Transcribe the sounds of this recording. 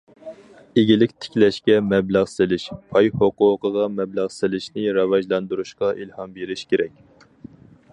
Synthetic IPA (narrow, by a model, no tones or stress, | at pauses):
eɡʲilɪkʲt̪ʰɪ̥kʲlɛʃkʲɛmɛblæʁsɪlɪʃpʰɑjhoqʊːqəʁɑmɛblæʁsɪlɪʃnɪɾɑvɑʒlˠɑnd̪uɾuʃqɑʔilhɑmbeɾɪʃkʲʰeɾɛk̚ʲ